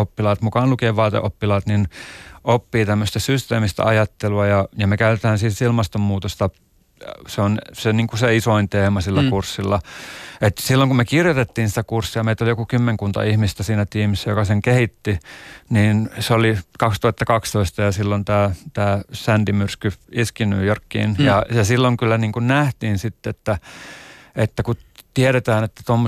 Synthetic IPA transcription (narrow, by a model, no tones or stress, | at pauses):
opːilɑːt̪mukɑːnlukeːʋʋɑːt̪ḛʔopːilɑːt̪ninʔopːiːt̪æmːøst̪æsyst̪eːmist̪æ̰ɑjɑt̪ːeluɑjɑjɑmekæyt̪et̪æːnsiːt̪silmɑst̪ommuːt̪ost̪ɑ | seonseniːŋkuseisoint̪eːmɑsilːækursːilːɑet̪silːoŋkumekirjot̪et̪ːiːnsĭ̥t̪ækursːiɑmeit̪olijokukymːeŋkunt̪ɑ̰ihmist̪æsiːnæt̪iːmisːæjokɑseŋkehit̪ːiniːnseolikɑkst̪uɑt̪ːɑkɑkst̪oist̪ɑjɑsilːont̪æːt̪æːsænt̪imyrskyiskinyːjorkːḭːnjɑjɑsilːoŋkylːæniːŋkunnæht̪iːnsit̪ːeet̪ːæ | et̪ːækut̪ieɾet̪æːnet̪ːæ̥t̪omːo